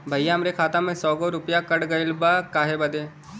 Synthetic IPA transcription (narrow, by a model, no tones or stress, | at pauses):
bʱɐjjaɦɐmɾekʰaːt̪ãmẽsɔːɡoɾʊpjakɐɽɡɐɪlbakaːɦebɐd̪eː